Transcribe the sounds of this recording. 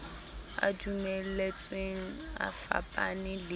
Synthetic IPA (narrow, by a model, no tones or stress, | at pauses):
a̰dumɛllet͡sʼweŋ̩a̰fa̰pʼanɪlɪ